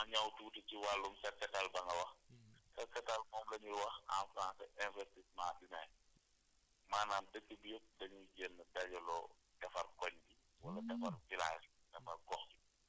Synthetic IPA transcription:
mɐɲɐwtuːtəciwalːumsɛt̚kɐtalbɐŋɡɐwɐxsɛt̚kɐtalmɔːmlɐɲuwɐxa̰nfɾãːnsɐʔɛnvɛrtismãːɗinɐj | maːnaːndəkːəbijop̚dɐɲuɟɛnːədɐɟɔlɔ | d̥ɐfɐrkɔɲbi | wɐlɐdɐfɐrfilaːsdɐfɐrkɔxbi

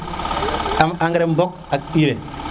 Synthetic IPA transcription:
amaŋɡɾembok̚ | ak̚iɾe

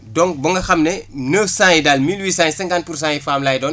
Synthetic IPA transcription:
dɔŋbɐŋɡɐxɐmnɛnəfsãːjidalmilwiːsãːjsɛŋɡant̚purs̬ãːjifaːmlaːjdɔːn

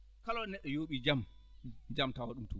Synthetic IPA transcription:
kalɔnɛɗːɔjoːɓid͡ʒam | d͡ʒamtawaɗumtu

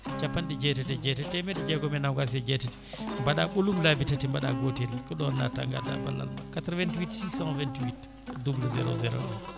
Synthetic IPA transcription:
t͡ʃapːanɗɛd͡ʒɛtɛtɛd͡ʒɛtɛtɛmɛdɛd͡ʒɛɡɔmɛnawɡas̬ɛd͡ʒɛtɛti̥ | mbaɗaɓolumlabitatimbaɗa̰ɡotilkɔɗɔnːa̰ta̰ŋɡa̰da̰ba̰lːa̰lma̰katɾvɛntiwitsisãvɛntiwit | dubuluzɛɾo̰zɛɾo̰ɗɔn

